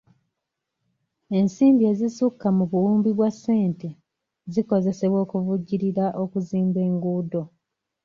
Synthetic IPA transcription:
e̞nsiːmbie̞ːzisukːamuβuwuːmbiβwasːe̞ːnte̞ | ziko̞ze̞se̞βwo̞ːkuvuɟːiɾiɾaʔo̞kuziːmbe̞ːŋɡuːdo̞

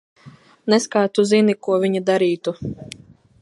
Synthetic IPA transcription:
nɛskaːt̪uzinikuɔvʲiɲid̪aɾiːt̪u

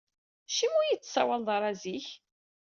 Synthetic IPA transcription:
ʃimujit͡sːsæwalðˤɑɾˤæziç

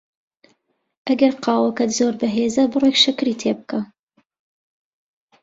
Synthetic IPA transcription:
ʔɐɡɐɾqɑːwɐkɐt̪zoɾbɐɦeːzɐbɨrekʃɨkɾiːt̪ʰeːbɨka

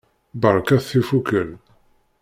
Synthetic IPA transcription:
bəɾˤkæθifukəl

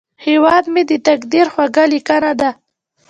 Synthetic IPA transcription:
hewɑd̪med̪ət̪akd̪iɾxwaɡalikanad̪a

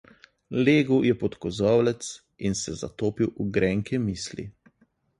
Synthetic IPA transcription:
leːɡuwjɛpɔt̪kɔzɔwlɛt̪s | insɛza̰t̪oːpiwuɡɾɛŋkʰɛmiːslḭ

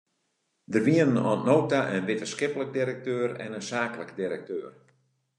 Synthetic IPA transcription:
dərʋiənənɔ̰nnowtaʔənʋɪtəskɪpələk̚diɾɛk̚tøːrɛ̰nənsaːkələkdiɾɛk̚tøːr

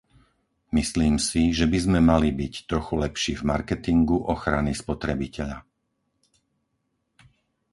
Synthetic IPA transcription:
misliːmsiʒɛbizmɛmalibict̪ɾɔxulɛpʃiːvmaɾkɛt̪iŋɡuʔɔxɾanispɔt̪ɾɛbicɛʎa̰

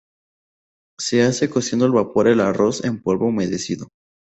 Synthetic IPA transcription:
se̞ase̞ko̞sje̞nd̪oelβapo̞ɾelaro̞sempwe̞lβoume̞ðesiðo

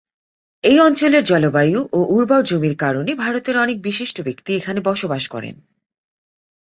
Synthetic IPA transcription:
ejɔnt͡ɕoleɾd͡ʑɔlobajuʔoʔuɾbawd͡ʑomiɾkaɾonebʱaɾot̪eɾɔnek̚biʃiʃʈobekt̪iekʰanebɔʃobaʃkɔ̰ɾḛn

